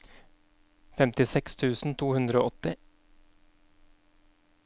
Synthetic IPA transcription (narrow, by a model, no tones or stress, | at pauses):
fɛmt̪ɪsɛkst̪ʰʉːsn̩t̪ʰuːhʉnd̪ɾəo̰ːʔɔt̪ːɪ